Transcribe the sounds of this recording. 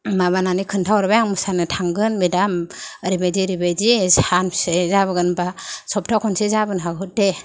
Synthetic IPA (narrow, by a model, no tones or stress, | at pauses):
maβananikʰɯntʰawɾbajaŋmusanɯtʰaŋɡɯnmidamɾibajdiɾibajdihansezaβɯɡɯnbasɔp̚tʰakʰɔnsezabɯnɦaɡut̚de